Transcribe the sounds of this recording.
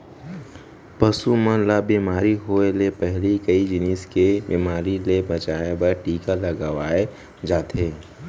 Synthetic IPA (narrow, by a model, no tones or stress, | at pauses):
pəsumə̃labiːmaːɾiɦoːelepɛɦlikəid͡ʒɪniːskebiːmaːɾilebɐt͡ʃaːebəɾʈiːkaləɡəʋaːe | d͡ʒaːt̪eː